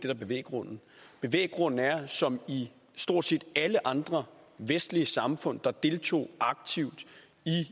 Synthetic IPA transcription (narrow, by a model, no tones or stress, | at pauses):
d̥e̝d̥ɑb̥e̝ʋḛːɡ̥ʁɔ̽n̰n̩b̥e̝ʋḛːɡ̥ʁɔ̽n̰n̩æɐsɒ̽mi | sd̥o̝ɐ̰d̥se̝ːd̥æləʔɑ̈nd̥ʁɐ | ʋesd̥liəsɑ̈mfɔ̽n̰d̥ɑ̈d̥e̝lt͡sʰo̝̰ːɑ̈ɡ̥̚t͡sʰiʊ̰d̥ | i